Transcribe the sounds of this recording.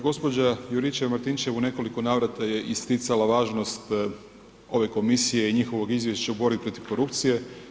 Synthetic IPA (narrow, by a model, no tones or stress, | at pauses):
ɡo̞spo̞d͡ʑajuɾit͡ʃemaɾt̪int͡ʃe̞ʋune̞ko̞likonaːʋɾat̪aje̞ʔist̪it̪salaʋaːʒnost̪ | o̞ʋe̞ko̞misije̞iɲixo̞ʋo̞ɡizʋjeʃt͡ʃaubo̞ɾbipɾo̞t̪iʋko̞ɾupt̪sije̞